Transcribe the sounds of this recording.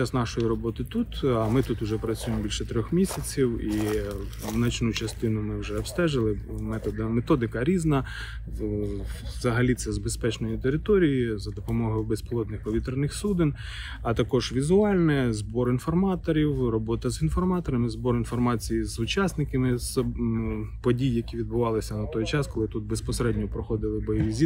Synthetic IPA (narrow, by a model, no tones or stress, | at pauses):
t͡ʃasnɑʃɔjiɾɔbɔt̪ɪt̪ut̪ɐmɪt̪ut̪ʊʒɛpɾɐt͡sʲujemɔbilʲʃɛt̪ɾʲɔxmʲisʲɐt͡sʲiwi | wnɐt͡ʃnut͡ʃɐst̪ɪnʊmɪwʒɛɔbst̪ɛʒɪlˠɪmɛt̪ɔd̪met̪ɔd̪ɪkɐɾʲiznɐ | zɐɦɐlʲit̪sɛzbespɛt͡ʃnɔjit̪eɾɪt̪ɔɾʲijizɐd̪ɔpɔmɔɦɐjbesplˠɔd̪nɪxpɔʋʲit̪ɾnɪxsud̪ɪn | ɐt̪ɐkɔʒ̥ʋʲizʊɑlʲnɛzbɔɾinfɔrmɑt̪ɔɾʲiwrɔbɔt̪ɐzinfɔrmɑt̪ɔɾɐmɪzbɔɾinfɔrmɑt͡sʲijizʊt͡ʃɑsnɪkɪmɪz | pɔdʲijːɐkʲiʋʲid̪bʊʋɑlˠɪsʲɐnɐt̪ɔjt͡ʃɑskɔlˠɪt̪ut̪̚bespɔseɾɛdʲnʲɔpɾɔxɔd̪ɪlˠɪbɔjiʋʲizʲi